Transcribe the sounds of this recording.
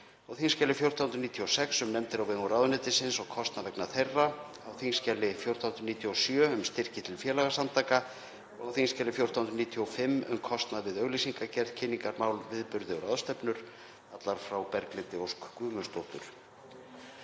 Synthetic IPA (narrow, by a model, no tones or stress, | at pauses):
awθiŋscɛlːɪfjow̥t̪awnɾniːt̪ʰiɔsɛksʏmnɛmt̪ɪɾawveŋʏɾawðʏnɪt̪ɪsɪnsɔɣkʰɔst̪navɛknaθejrːa | awθiŋscɛlːɪfjow̥t̪ahʏnt̪ɾʏniːt̪ʰiɔsjœːʏmst̪ɪr̥cɪt̪ʰɪlfjɛːlaɣasant̪ʰaːka | ɔɣawθiŋscɛlɪfjowɾ̥t̪awhnɾniːt̪ʰiɔfɪmːʏ̰mkʰɔst̪naðvɪðœɥɣlisiŋkacɛɾðcʰɪnːiŋkaɾmaːwlvɪðpʏɾðɪɔɾaðst̪ɛpnʏɾ̥ | at̪laɾ̥fɾawpɛɾklɪnt̪ɪowskkʏːmʏst̪owt̪ʏ̰ɾ̥